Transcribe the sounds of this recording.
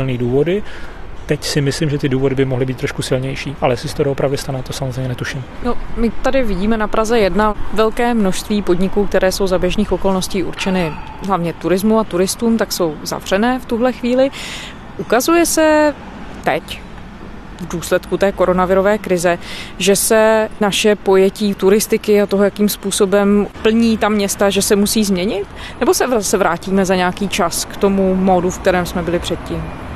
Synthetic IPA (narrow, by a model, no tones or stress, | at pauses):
ɪlniːduːvodɪt̪ɛcsɪmɪslimʒɛt̪ɪduːvo̞dɪbɪmoɦlɪbiːt̪ːɾoʃkusɪlɲɛjʃiːʔalɛsɪsɛ̥t̪odoopɾavdɪst̪anɛt̪osamozrejmɲɛnɛt̪uʃɪmno̞mɪt̪adɪvɪɟiːmɛnapɾʔazɛjɛdnavɛlkɛːmno̞ʃst̪viːpo̞dɲɪkuːk̚t̪ɛɾʔɛːso̞wzabjɛʒniːxo̞ko̞lno̞sciːʔṵɾt͡ʃɛnɪ | ɦlavɲɛt̪uɾɪzmuat̪uɾɪst̪uːmt̪akso̞wza̰vr̝̥ɛnɛːft̪uɦlɛxviːlɪ | ʔukazujɛsɛ | t̪ɛc | vduːslɛt̪kut̪ɛːko̞ɾo̞navɪɾo̞vɛːkɾɪzɛʒɛsɛnaʃɛpo̞jɛciːt̪uɾɪst̪ɪkɪat̪oɦojakiːmspuːso̞bɛmpl̩ɲiːt̪amɲɛst̪aʒɛsɛmusiːzmɲɛɲɪt̪nɛbo̞sɛvasɛvɾaːciːmɛzaɲaakiːt͡ʃaskt̪o̞mumo̞dufk̚t̪ɛɾɛːmsmɛbɪlɪpr̥ɛt̪̚ciːm